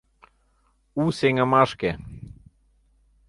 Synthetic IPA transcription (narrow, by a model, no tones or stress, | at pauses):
useŋə̆mɑʃke